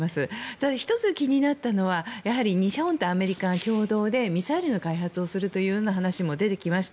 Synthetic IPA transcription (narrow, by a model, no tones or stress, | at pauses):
masɨt̪ad̪açi̥t̪o̞t͡sɨkʲiɲ̟inat̪ːano̞βajaɦaɾʲiɲ̟iɕaõ̞nt̪oame̞ɾʲikakʲo̞ːd̪o̞ːd̪e̞mʲisaiɾɯ̟no̞kaiɦat͡sɨo̞sɨɾɯ̟t̪o̞jɯ̟ːjo̞ːnaɦanaɕimo̞d̪e̞t̪e̞kʲimaɕi̥t̪a